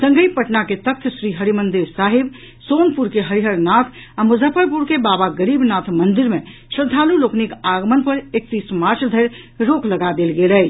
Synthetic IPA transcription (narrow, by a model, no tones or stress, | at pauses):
sə̃ŋɡəjpəʈnaket̪ək̚t̪ʰsɾiɦəɾimənd̪iɾsaɦib | sonpuɾkeɦəɾiɦəɾnat̪ʰamud͡ʒəfʰəɾpuɾkebabaɡəɾibnat̪ʰmənd̪iɾmẽsɾəd̪ʱːaluloknikaɡmənpəɾek̚t̪ismaɾt͡ʃʰd̪ʱəjɾ | ɾokləɡad̪elɡelɛ